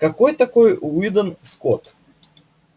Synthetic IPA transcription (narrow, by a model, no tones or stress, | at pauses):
kɐkojt̪ɐkojvid̪ənskot̪